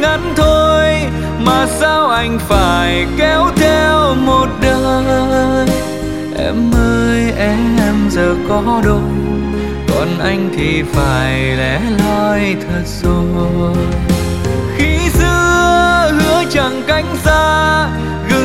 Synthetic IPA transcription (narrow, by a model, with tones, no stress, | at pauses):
ŋa˨˦nt̪ʰo˧j | maː˨˩saː˧wʔa˧jŋ̟faː˧˩jkɛ˨˧˦wt̪ʰɛ˧wmo˨˩t̚ɗə˧˨˩ | ʔɛ˧mːəː˧jʔɛ˧˥ʔɛ˧mzəː˨˩kɔ˨˦ɗo˧˩ | kɔ̰˨˩nʔa˧jŋ̟t̪ʰi˨˩faː˧˩jlɛ˧˥lɔ˧jt̪ʰə˨˩t̚zo˧˩ | xi˧˥sɨ˧əəəhɨ˨˧˦ət͡ɕa˨˩ŋka˧˦jŋ̟zaː˧ | ɣɨ˨˩